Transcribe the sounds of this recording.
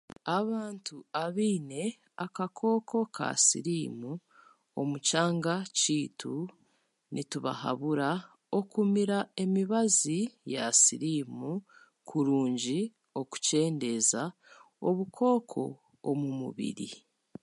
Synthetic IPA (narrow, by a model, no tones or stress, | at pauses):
aβaːntuaβiːne̞ | akakʰo̞ːko̞kʰa̰sḭɾiːmu | o̞̰mucaːŋɡaciːtʰu | nʔituβa̰ha̰βuɾa | o̞kumiɾae̞miβazijasiɾiːmu | kʰuɾuːɲɟi | o̞ku̥ce̞ːnde̞za | o̞βukʰo̞ːkʰo̞ː | mumṵβḭɾḭ